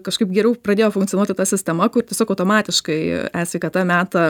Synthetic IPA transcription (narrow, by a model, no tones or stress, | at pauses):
kɐʃkɐɪpɡʲɛɾʲɛʊprɐd̪ʲeːjoːfʊŋkt̪ʲjɔnuɔt̪ʲɪt̪ɐsʲɪsʲt̪ʲɛmɐkʊrtʲiɛsʲoːkɐʊt̪oːmɑːt̪ʲɪʃkɐɪæːsʲʋʲɛɪkɐt̪ɑmʲæːt̪ɐ